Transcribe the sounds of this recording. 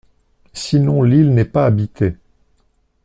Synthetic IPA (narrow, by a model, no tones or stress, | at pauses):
sinɔ̃lilnɛpaːbit̪e